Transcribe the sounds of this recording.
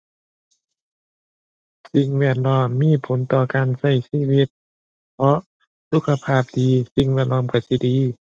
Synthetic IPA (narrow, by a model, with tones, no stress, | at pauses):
si˧ŋwɛː˧˩ət̪̚lɔː˧˥˩mːiː˧˥˨pʰo˨˦nt̪ɔː˧˩kaː˨nsa˧˩jsiː˧˥˨wi˧˥t̪̚ | pʰɔ˧˥ʔ | su˧˥kʰːa˧pʰaː˧˩p̚diː˨˧si˧ŋwɛː˧˨t̪̚lɔː˧˩˨mkʰa˧˩si˧˨diː˨˦